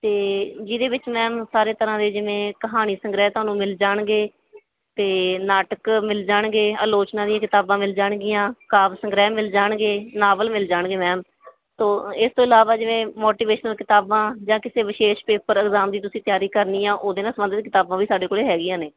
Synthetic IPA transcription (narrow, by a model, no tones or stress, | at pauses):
t̪eːd͡ʒid̪eːʋɪt͡ʃmɛ̃ːmsaːɾeːt̪əɾãːd̪eːd͡ʒɪʋẽːkəɦaːñiːsəŋɡɾɛːt̪ʊaːnũːmɪld͡ʒaːɳɡeː | t̪eːnaːʈəkmɪld͡ʒaːɳɡeːəːloːt͡ʃnãːd̪ɪjãːkɪt̪aːbãːmɪld͡ʒaːɳɡɪjãːkaːbsə̃ŋɡɾɛːmɪld͡ʒaːɳɡeːnaːʋəlmɪld͡ʒaːɳɡeːmɛ̃ːm | t̪oːɪst̪õːɪlaːʋaːd͡ʒɪʋẽːmoːʈiːʋeːʃnəlkɪt̪aːbãːd͡ʒãːkɪseːʋɪʃeːʃpeːpəɾəɡzaːmd̪iːt̪̬ʊsĩːt̪ɪjaːɾiːkəɾniːãːʔoːd̪eːnãːsəmbənd̪ət̪̚kɪt̪aːbãːʋiːsaːɖeːkoːleːɦɛːɡɪjãːneː